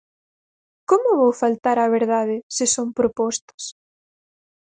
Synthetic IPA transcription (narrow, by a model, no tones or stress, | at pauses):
komʊβowfalt̪aɾɐβeɾðaðɪsɪsompɾopɔst̪ɐ̥s